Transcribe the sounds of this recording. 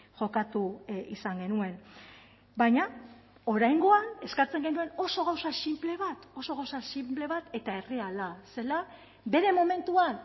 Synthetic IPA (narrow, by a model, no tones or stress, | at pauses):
ʝo̞kat̪uisaŋɡe̞nue̞n | baɲa | o̞ɾajŋɡo̞ane̞skat͡se̞ŋɡe̞nue̞no̞so̞ɣ̞awsasimple̞β̞at̪o̞so̞ɣawsasimple̞β̞at̪e̞t̪ae̞realase̞la | be̞ɾe̞mo̞me̞nt̪uan